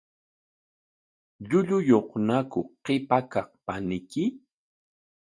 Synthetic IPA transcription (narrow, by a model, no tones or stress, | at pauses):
ʎʊʎʊjoχnakʊqepakɑχpanɪkɪ